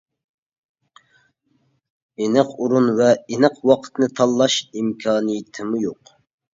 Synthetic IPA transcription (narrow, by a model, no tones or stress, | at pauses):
enɨqʰuɾunvɛenəqwɑqʰə̥t̪nɨt̪ʰɑlˠːɑʃimkʲʰɑːnijit̪ʰɪmujoq